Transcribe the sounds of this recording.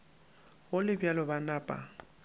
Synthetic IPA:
ɣʊlɪbjalɔbanaːpʼa̰

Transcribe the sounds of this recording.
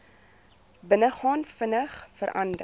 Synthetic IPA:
bənəχɑːnfənəχfəɾʔɐndə̰

